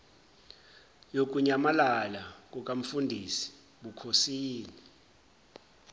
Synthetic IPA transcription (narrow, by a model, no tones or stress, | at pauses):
jok̬ʼuɲamalalak̬ʼuk̬ʼam̩fundʱisi̥ | ɓukʰosiːni